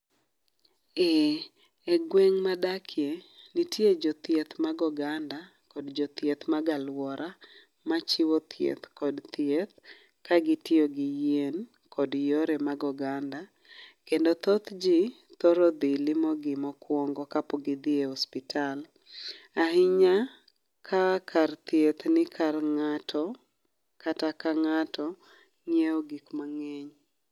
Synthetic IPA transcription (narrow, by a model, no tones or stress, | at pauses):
ɛ | ɛɡweŋmadakʰɪenɪtjed͡ʒɔt̪jet̪maɡɔɡanda | kodd͡ʒɔt̪jet̪maɡalwɔɾʔa | mat͡ʃɪwɔt̪ʰjḛt̪kɔdt̪jet̪̚ | kaɡɪtɪoɡɪjen | kʰɔdjoɾemaɡɔɡanda | kendot̪ɔt̪d͡ʒi | t̪ɔɾɔd̪ɪlɪmɔɡɪmɔkwɔŋɡɔkapɔɡɪd̪ɪehɔspɪtʰal | aɦɪɲa | kʰakʰart̪jet̪nɪkʰarŋatʰɔ | katakaŋatɔ | ɲeoɡikmaŋɛɲ